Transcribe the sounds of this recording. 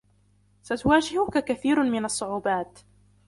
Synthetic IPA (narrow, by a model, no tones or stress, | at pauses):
sat̪ʊwaːd͡ʒɪhʊkakaθiːɾmɪnɑsˤːʊʕuːbaːt̪